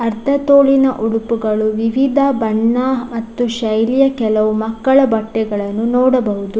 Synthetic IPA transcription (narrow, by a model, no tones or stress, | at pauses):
ɐɾt̪ʰɐt̪oːɭinɐʔuɽupuɡɐɭuʋiʋid̪ʱɐbɐɳːamɐt̪ːuʃɐjlijɐkɛlɐʋumɐkːɐɭɐbɐʈːɛɡɐɭɐnːunɔːɽɐbɐɦud̪u